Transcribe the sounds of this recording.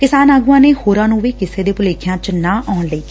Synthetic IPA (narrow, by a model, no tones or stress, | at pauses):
kɪsaːnaːɡuːãːneːhoːɾãːnũːʋiːkɪseːd̪eːpʊleːkʰjãːt͡ʃnãːʔɔːnləiː